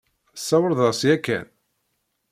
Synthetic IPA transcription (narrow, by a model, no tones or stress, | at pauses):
sːɑwəɾðˤɑsjækːæ̰n